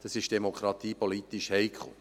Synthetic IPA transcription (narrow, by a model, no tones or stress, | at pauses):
d̥ɑsɪʃd̥emokχɾɑt̪iːpolit̪iʃhɛjkʰχʊ̰